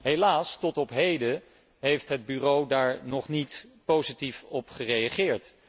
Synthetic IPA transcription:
ɦejlaːstɔtɔpɦejdə | ɦejftɦəd̚byrowdaːɹnɔχnitpowzitifɔpχərejaχɪːɹt

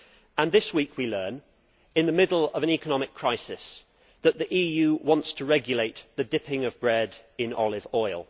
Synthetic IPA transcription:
ə̃nðɪswiˑkʰwilɜːn | ɪ̃nðəmɪdˡl̩ˠəvə̃ñɛkənɒmɪkʰɹ̥aɪsɪs | ðəʔðiʔiːjʉːwɒ̃ntstʰəɹɛɡjəleɪʔ̪ðədɪpɪ̃ŋəvbɹɛdɪ̃nɒ̰lɪvɔɪlˠ

